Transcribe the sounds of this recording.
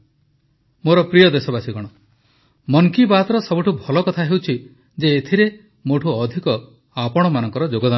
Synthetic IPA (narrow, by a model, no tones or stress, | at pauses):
moɾɔpɾijɔd̪esɔbasiɡɔɽ̃ɔ | mɔŋkibat̪ɔɾɔsɔbuʈʰubʱɔlɔkɔt̪ʰaɦewt͡ʃʰi | d͡ʒeːt̪ʰiɾe | moʈʰuːd̪ʱikɔ | apɔɽ̃ɔmanɔŋkɔɾɔd͡ʒoɡɔd̪a